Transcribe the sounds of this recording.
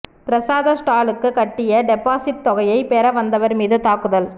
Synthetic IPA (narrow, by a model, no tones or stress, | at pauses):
pɪɾɐsaːðɐsʈaːlɯkːɯkɐʈːɪjɐɖɛpːaːsɪʈ̚t̪ɔɣɐjɐɪpeːɾɐʋɐnd̪ɐʋɐɾmiːðɯt̪aːkɯðɐl